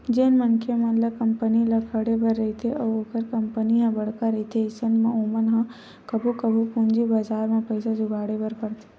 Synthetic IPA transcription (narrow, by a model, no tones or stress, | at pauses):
d͡ʒeːnmɐnkʰemɐt̪ləb̚kɐmpənilɐkʰəɽebɐɾːɐɦit̪ʰeʔɔːɾoːkəɾkɐmpəniɦãbɐɽ̤kaɾɐɦit̪ʰeɪsənmẽoːmənɦã | kɐbʱukɐbʱupũnd͡ʒibaːzaːɾmẽpɐɪsad͡ʒʊɡaːɽebɐɾkɐɾt̪ʰe̥